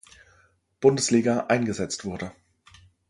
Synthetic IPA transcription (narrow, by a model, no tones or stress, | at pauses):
b̥ʊndəsliːɡɐʔaɪnɡəzɛt͡stv̥ʊɐdə